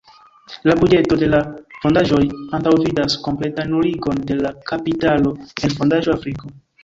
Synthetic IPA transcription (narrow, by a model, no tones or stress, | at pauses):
labud͡ʒe̞to̞de̞lafo̞ndaʒo̞jantawvidasko̞mple̞tanoɾiɡo̞nde̞lakapitalo̞enfo̞ndaʒo̞afɾiko̞